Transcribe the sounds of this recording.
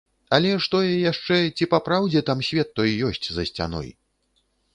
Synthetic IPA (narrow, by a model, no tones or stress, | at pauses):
ɐlʲɛʂt̪ɔjɛjaʂt͡ʂɛt͡sʲipapɾawd͡zʲɛt̪amsʲvʲɛt̪ːɔjjɔsʲt͡sʲzɐsʲt͡sʲa̰nɔ̰j